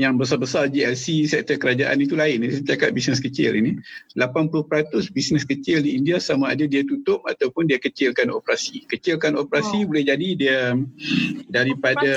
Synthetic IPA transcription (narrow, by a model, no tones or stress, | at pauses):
jaŋbəs̬abəsard͡ʒiɛlsisɛk̚t̪ərkəɾad͡ʒaʔa̰nit̪ulaɪnisət̪iakat̪̚bisnəskət͡ʃɪ̰lḭnilapanpulʊhpəɾat̪ʊsbisnəskət͡ʃɪldiːndiasamaːdadiat̪ut̪ʊp̚a̰t̪awpʊndiakət͡ʃɪlkano̰pəɾasikət͡ʃɪlkanopɾasibolɛhd͡ʒadidia | daɾipada